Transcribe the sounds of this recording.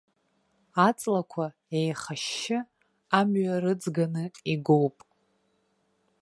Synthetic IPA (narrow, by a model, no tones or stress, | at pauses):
at͡sʼlakʷʰa | ejχaʃːɪ | amɥaɾɨd͡zɡanɨiɡo̞wpʼ